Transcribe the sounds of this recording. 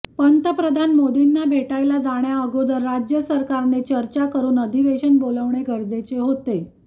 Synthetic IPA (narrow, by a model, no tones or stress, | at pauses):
pənt̪əpɾəd̪ʱanmod̪inːabʱeʈajlad͡zaɳjaəɡod̪əɾːad͡ʑjəsəɾkaɾnet͡ɕəɾt͡ɕakəɾuːnəd̪ʱiʋeɕənboləʋɳeɡʱəɾd͡zet͡seɦot̪e